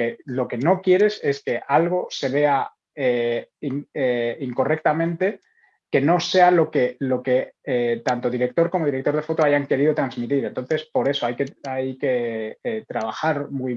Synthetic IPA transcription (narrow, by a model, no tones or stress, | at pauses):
elo̞ke̞no̞kje̞ɾe̞se̞ske̞ʔalɣ̞o̞se̞β̞e̞a | eiŋiŋko̞re̞k̚t̪amẽ̞nt̪e̞ | ke̞no̞se̞alo̞ke̞lo̞ke̞et̪ant̪o̞ðiɾe̞k̚t̪o̞ɾkomo̞ð̞iɾek̚t̪o̞ɾð̞e̞fo̞t̪oaʝaŋke̞ɾiðo̞t̪ɾanzmit̪iɾe̞nt̪o̞nθe̞spo̞ɾe̞so̞ajke̞ajke̞et̪ɾaβ̞axaɾmuj